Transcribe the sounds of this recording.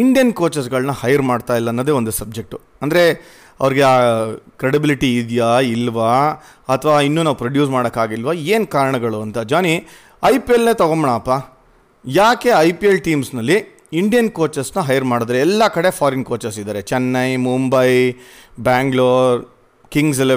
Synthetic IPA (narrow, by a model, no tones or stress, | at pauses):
iɳɖijɐnkoːt͡ʃɐs̬ɡɐɭnɐhɐjɐɾmaːɖt̪aːjilːɐːnːod̪eːond̪usɐb̚d͡ʒe̞k̚ʈu | ɐnd̪ɐɾe̞ | ɐʋɐɾiɡeaːkɾeɽibiliʈiːd̪jailʋa | ɐt̪ʰɐʋaːinːuːnaːʋupɾɐɖjuːsmaːɽɐkːaːɡilʋɐeːnkaːɾɐɳɐɡɐɭuɐnt̪ɐd͡ʒaːni | ɐjpielneːt̪ɐɡomɐɳaːpːaː | jaːke̞ɐjpielʈiːmsnɐlːi | iɳɖijɐnkoːt͡ʃɐsnɐɦɐjɐɾmaːɽod̪ɾeɛlːɐkɐɽe̞pʰaːɾenkoːt͡ʃɐs̬id̪aːɾet͡ʃɛnːɐjmuːmbɐjbaːŋɡɭoːɾ | kiŋɡs̬el